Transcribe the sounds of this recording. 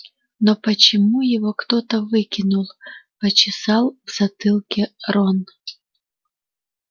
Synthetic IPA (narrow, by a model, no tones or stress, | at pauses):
nɔpɐt͡ɕɪmujɪvɔkt̪ot̪əvɨkʲɪnulˠpɐt͡ɕɪsɑlˠvz̥ɐt̪ɨlˠkʲɛrɔn